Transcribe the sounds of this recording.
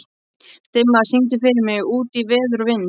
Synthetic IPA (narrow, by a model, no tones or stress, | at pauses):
t̪ɪmːaðsint̪̬ɪfɪɾɪɾmɪɣuːt̪ivɪːðʏɾvɪnː